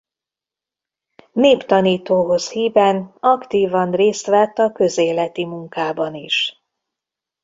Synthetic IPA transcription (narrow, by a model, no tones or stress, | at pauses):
neːpt̪ɒniːt̪oːɦo̞shiːvɛnɒkt̪iːvɒnreːst̪ʋɛt̪ːɒkø̞zeːlɛt̪imuŋkaːbɒniʃ